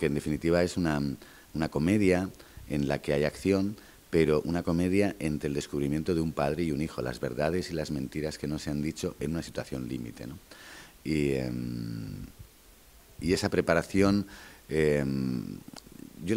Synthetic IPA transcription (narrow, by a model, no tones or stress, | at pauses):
kend̪e̞finit̪iβ̞ae̞suna | unako̞me̞ðjae̞nlakeajakθjon | pe̞ɾo̞ʔunako̞me̞ð̞jaʔe̞nt̪ɾeld̪e̞skuβɾimje̞nt̪o̞ð̞eumpað̞ɾe̞iunixo̞̰la̰zβe̞̰ɾðað̞e̞silazmẽ̞nt̪iɾaske̞no̞se̞and̪it͡ʃo̞ʔe̞nunasit̪waθjo̞nlimḭt̪e̞̰no | im | ie̞sapɾe̞paɾaθjo̞nem | ʝo